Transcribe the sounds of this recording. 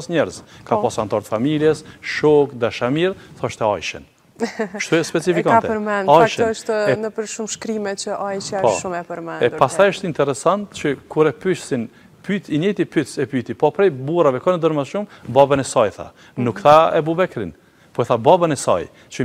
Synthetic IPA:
sɲɛɾzkapasant̪aɾt̪familjɛsʃɔkd̪aʃamiɾθɔʃt̪ɛa̰jʃɛ̰n | ʃt̪uɛspɛt͡sifikanɛəɾmɛnajʃɛɔʃt̪ɛnəpəɾʃumʃkɾimɛt͡ʃəʔajʃapɔʃumɛpəɾmɛnɛpast̪ajəʃt̪int̪ɛɾɛsant̪t͡ɕəkuɾɛpyʃsin | pyt̪iɲɛjt̪ipyt̪sɛpyt̪ipɔpɾɛjbuɾavɛkɔnəd̪əɾmaʃumbabanɛsajθa̰ | nukθaɛbubɛkɾḭn | pɔɛθababanɛsa̰j | t͡ʃə

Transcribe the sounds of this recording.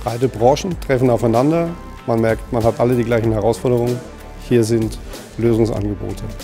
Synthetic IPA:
b̥ʁaɪtəbʁɑ̃ːʃn̩tʁ̥ɛfn̩aʊfaɪnandɐ | manmɛɐktmanhatʔalədiːɡlaɪçn̩hɛʁ̞aʊsfɔɐdəʁ̞ʊŋən | hiːɐzɪnt | løːzʊŋsʔa̰nɡəbo̰ːtʰə

